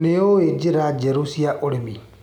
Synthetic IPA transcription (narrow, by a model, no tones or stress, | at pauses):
neoed͡ʒiɾad͡ʒɛɾusiaʔoɾemi